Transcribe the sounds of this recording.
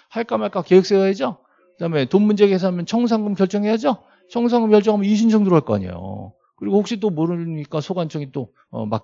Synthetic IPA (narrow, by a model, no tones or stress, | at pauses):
haɭk͈amaɭk͈akejɯk̚s͈eɡaɦed͡ʑo | kɯdaɦme̞tonmund͡ʑe̞ɡes̬ʰʌamjʌnt͡ɕʰʌŋs̬ʰaŋɡɯmkjʌɭt͡ɕ͈ʌŋɦejad͡ʑo | t͡ɕʰʌŋsʰaŋɡɯmkjʌɭt͡ɕ͈ʌŋɦamjʌniɕ̬ʰind͡ʑʰʌŋduɾʌɭk͈oa̰ɲḛjo̰ | kɯɾiɡoɸokɕ͈it͈omoɾɯɲik͈asʰoɡant͡ɕʰʌŋit͈o | ʌ̰ma̰